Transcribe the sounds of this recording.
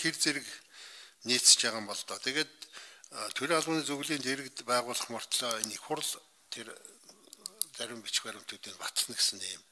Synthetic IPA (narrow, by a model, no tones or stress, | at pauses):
xert͡seɾɘ̆k | niːt͡st͡ɕaːʁaːmpɔɮt̪ɔːt̪ʰeɣeːt̪̚ | t̪ʰɵɾʲiːŋaɮʁʊːniːt͡sɵɣɮiːnt̪ʰeɾɘ̆kt̪pæːʁʊːɮə̆χmɔr̥t̪ɮɔːenixχʊr̆ɮ | t̪ʰer | t͡sæɾʲɪ̆mpit͡ɕxpæɾʲɪ̆m̥t̪ʰut̪iːŋɢat̪χə̆nɡesɘ̆ŋeːm